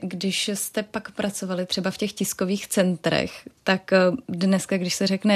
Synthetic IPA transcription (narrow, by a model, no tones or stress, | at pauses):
ɡdɪʃst̪ɛpakpɾʔat͡so̞valɪt̪r̥ɛbafcɛxcɪsko̞viːxt͡sɛnt̪ɾɛ̰xt̪akdnɛskaɡdɪʃsɛrɛknɛ